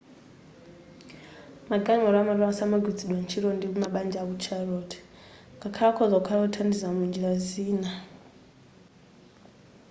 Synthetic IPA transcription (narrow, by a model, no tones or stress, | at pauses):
maɡʱanwɔɾamaɾasamaɡʱwid͡ziɗwant͡ʃʰiɾondimumaɓand͡ʒaβut͡ʃʰarotʰi̥ | ŋɡakʰakʰɔzakʰarotʰandizamund͡ʒiɾaziːna